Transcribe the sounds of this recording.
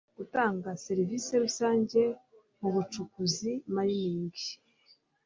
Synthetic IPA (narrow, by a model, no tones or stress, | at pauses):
ɡ̥utaːŋɡase̞ɾivise̞ɾusaːɲɟe̞ | muβut͡ʃukuzimaɾiniːŋɡi